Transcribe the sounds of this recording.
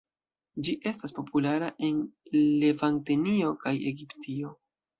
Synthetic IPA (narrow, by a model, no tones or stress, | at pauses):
d͡ʒiʔe̞staspo̞pulaɾaʔe̞nle̞vantenio̞kaje̞̰ɡiptio̞